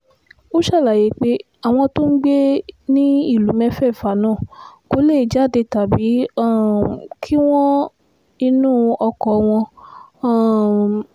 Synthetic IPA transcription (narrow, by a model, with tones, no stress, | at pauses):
o˦ʃa˦˨la˨je˨˦k͡pe˨˦ | a˦˨w̃ɔ̃˧to˦n̩˦ɡ͡be˦nĩ˦i˦˨lu˨˦mɛ̃˦fɛ˦˨fa˨˦nãː˦˨ko˨˦le˦˨d͡ʒa˨˦˨de˧ta˨bi˨˦˨ | kʰi˦w̃ɔ̃˦ | ĩ˧nũː˦˨ɔ˧kɔ˨˧w̃ɔ̃˧˦˨